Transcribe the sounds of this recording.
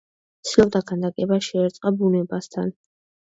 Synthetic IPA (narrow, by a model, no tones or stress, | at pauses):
t̪sʰilˠɔb̚d̪aɡand̪akʼɛbaʃɛɛɾt̪sʼqʼabunɛbast̪ʰan